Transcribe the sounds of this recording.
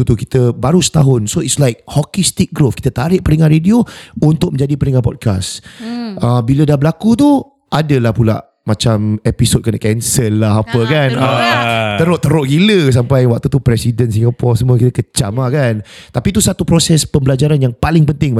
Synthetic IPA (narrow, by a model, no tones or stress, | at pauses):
ut̪uki̥t̪əbaɾusə̥t̪aɦʊnsoitslajk̚hɔkist̪ik̚ɡɾofki̥t̪ət̪aɾɪʔpəɾiŋãɾediount̪ʊk̚mə̃ɲd͡ʒadipəɾiŋãpɔ̰d̚ka̰sʔəbilədabəlakut̪̬u | ʔadəlahpula̰ʔ | mat͡ʃamɛpisod̚kənaʔkɛnsəlːaɦapəkanət̪əɾʊʔt̪əɾʊʔɡiləs̬ampajwak̚t̪ut̪upɾɛsidənsiŋɡapɔrsəmũəkit̪əkət͡ʃamakant̪apit̪usat̪upɾosɛspəmbəlad͡ʒaɾanjaŋpalɪŋpənt̪ɪŋ